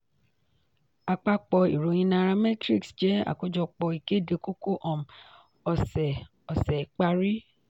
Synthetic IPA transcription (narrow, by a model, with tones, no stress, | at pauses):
a˨k͡pa˧k͡pɔ˧i˨ɾo˨˦j̃ĩ˧nã˧ɾã˧mɛ̃˦tɾi˦ksd͡ʒɛ˨˦a̰˦˨ko˦d͡ʒɔ˧k͡pɔ˧i˨ke˦˨de˨˧ko˦ko˦ʔɔ̃˨m˨ | ɔ˨sɛ˨ | ɔ˨sɛ˨k͡pa˧ɾi˦